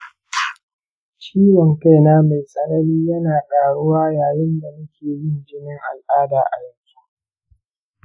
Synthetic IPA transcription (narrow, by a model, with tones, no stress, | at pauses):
t͡ʃiː˦wɔ˨ŋka˦jnaː˦ma˨jsʼɐ˦nɐ˦ɾiː˦jɐ˦naː˨kʼaː˨ɽʊ˦waː˦jaː˨jɪ˦nda˨mʊ˦kʲʰeː˨jɪ˦nd͡ʒɪ˦nɪ˦ŋʔa̰˨lʔaː˦daː˨ʔa̰˨jɐ˦ŋkʲu˦